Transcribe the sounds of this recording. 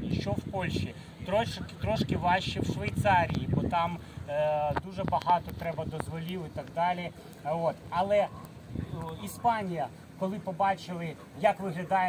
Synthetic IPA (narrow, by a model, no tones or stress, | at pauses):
ʃt͡ʃɔwpɔlʲʃi | t̪ɾɔt͡ʃkt̪ɾɔʃkɪʋɑʃt͡ʃiwʃʋɐjt̪sɑɾʲijibɔt̪ɑm | d̪uʒɛbɐɦɑt̪ɔt̪ɾɛbɐd̪ɔzʋɔlʲiwɪt̪ɐɡd̪ɑlʲi | ot̪ɐlˠɛ | ispɑnʲijɐ | kɔlˠɪpɔbɑt͡ʃɪlˠɪ | jɐkʋɪɦlʲɐd̪ɑjɛ